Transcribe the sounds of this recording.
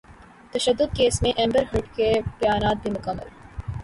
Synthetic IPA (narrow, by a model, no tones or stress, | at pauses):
t̪ɐʃəd̪ːʊd̪̚keːsmẽʔɛ̃ːmbəɾɦɪʈkepjaːnaːt̪̚bʱimʊkəmːə̰l